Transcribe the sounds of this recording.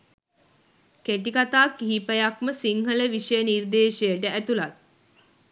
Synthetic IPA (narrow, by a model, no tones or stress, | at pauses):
keʈikat̪aːkːiɦipəjakməsiŋɦələʋiʃəjənird̪eːʃəjəʈəæt̪ulat̪̚